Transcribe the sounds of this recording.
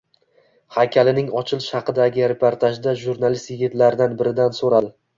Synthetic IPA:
hakʲʰalɪnɪŋɒt͡ʃʰɪlˠɪʃhɑqɨd̪aɡʲɪɾe̞pʰoɾt̪ʰaʒd̪aʒuɾnalˠist̪jɪɡʲɪt̪laɾɪd̪anbɪɾɪd̪ansoɾal

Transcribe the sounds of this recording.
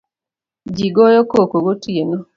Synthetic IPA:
d͡ʒiɡojokokoɡotienɔ

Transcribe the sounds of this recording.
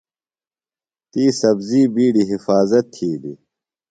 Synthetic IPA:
t̪iːsɐbziːbiːɖiɦifaːzɐt̪ʰːiːd̪ḭ

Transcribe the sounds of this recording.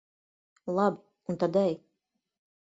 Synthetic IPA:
lˠabi | unt̪ad̪ɛj

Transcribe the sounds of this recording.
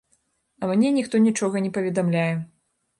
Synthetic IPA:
ɐmnʲɛnʲixt̪ɔnʲit͡ʂɔɣɐnʲɛpɐvʲɛd̪amlʲajɛ

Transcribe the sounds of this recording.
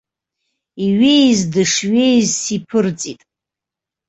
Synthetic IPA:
iɥejzdɨʂɥejzsipʰɨrt͡sʼitʼ

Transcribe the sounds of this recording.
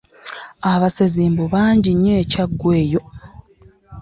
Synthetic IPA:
aβaseziːmbuβaːɲɟiɲːe̞ːcaɡːwe̞ːjo̞

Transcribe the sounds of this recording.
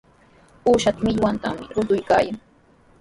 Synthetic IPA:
uːʃat̪amɪʎwant̪a̰mɪɾʊt̪ʊjka̰ːjaŋ

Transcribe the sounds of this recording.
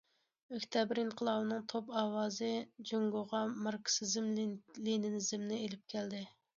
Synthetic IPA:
økʲt̪ʰɛbɾinqʰəlˠɑwɨnɨŋt̪ʰopɑːwɑːzɨd͡ʒoŋɡoʁɑmɑɾkʰsɨzɪmlinɪnɪzɪmnɪelɪp̚kʲʰɛld̪ɪ

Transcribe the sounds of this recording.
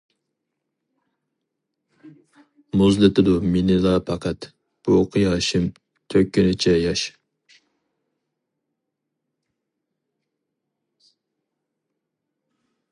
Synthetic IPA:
muzlɪt̪ɪd̪uminɪlˠɑːpʰɑqʰɛt̪ | b̥uqʰəjɑːʃɪm | t̪ʰøkʲʰːynɪt͡ʃʰɛjɑʃ

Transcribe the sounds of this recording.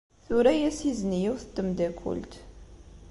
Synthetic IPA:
θʊɾæjæsiznijiwθəd̪̥ːəmd̪ækʷːʊ̰lt̪

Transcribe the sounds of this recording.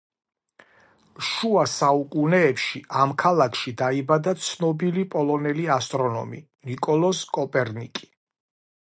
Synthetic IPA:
ʃuasaukʼunɛːpʃiʔamkʰalakʰʃid̪aibad̪at̪sʰnɔbilipʼɔlˠɔnɛliast̪ʼɾɔnɔ̰mḭ | nikʼɔlˠɔskʼɔpʼɛɾnikʼi̥

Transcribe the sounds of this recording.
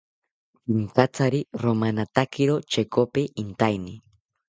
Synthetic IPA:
pint͡sat͡saɾiɾomanat̪akɪɾot͡ʃekopeʔint̪ajni

